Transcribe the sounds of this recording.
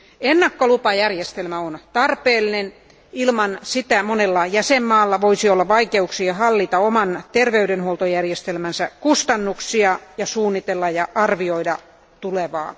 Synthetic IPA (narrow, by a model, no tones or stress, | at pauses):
enːɑkːolupɑjærjest̪elmæont̪ɑrpeːlːˑinen | ilmɑnsit̪æmonelːɑjæsemːɑːlːɑʋoisiolːɑʋɑikeuksiɑhɑlːit̪ɑomɑnt̪erʋeydenhuolt̪ojærjest̪elmænsækust̪ɑnːuksiɑjɑsuːnːit̪elːɑjɑʔɑrʋioidɑ | t̪uleʋɑ̰ː